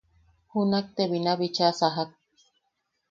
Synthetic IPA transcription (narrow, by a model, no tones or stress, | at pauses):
hunak̚t̪eβinaβit͡ʃasaɦak̚